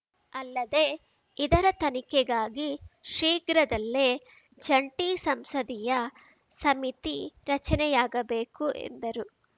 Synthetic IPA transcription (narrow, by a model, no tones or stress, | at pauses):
ɐlːɐd̪e | id̪ɐɾɐt̪ɐnikɛɡaːɡiʃiːɡɾɐd̪ɐlːeː | d͡ʒɐɳʈisɐmsɐd̪ijɐ | sɐmit̪iɾɐt͡ʃɐnɛjaːɡɐbe̞ːkuʔḛnd̪ɐɾu